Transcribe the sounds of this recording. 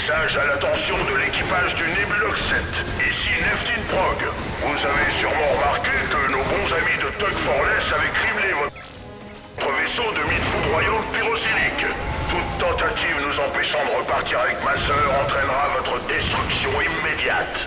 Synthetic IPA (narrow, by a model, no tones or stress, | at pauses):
saʒalat̪ɑ̃sjɔ̃d̪əlekʲipaʒd̪ynebylɔksɛt̪ | isinɛft̪inpʁɔɡvuzavesyʁmɑ̃ʁəmaʁkʲekənobɔ̃zamid̪ət̪ɔkfɔʁlɛsavɛkχiblevɔ | t̪χəvesod̪əmit̪fud̪ʁwajɑ̃piʁosiʁikt̪ut̪ːɑ̃t̪at̪ivnuzɑ̃pɛʃɑ̃d̪əʁəpaʁt̪iʁavɛkmasœʁɑ̃t̪χɛnʁavɔt̪χəd̪ɛst̪χyksjɔ̃imːed̪jat̪